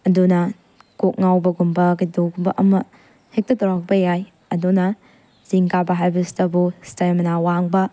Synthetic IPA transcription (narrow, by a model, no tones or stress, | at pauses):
ɐdunɐ | kok̚ŋawbɐɡumbɐɡidokbɐʔɐmɐ | hek̚tɐtɐɾak̚bɐjaj | ɐdunɐ | ziŋkabɐɦajbɐstɐbustɐjɐmɐnawaŋbɐ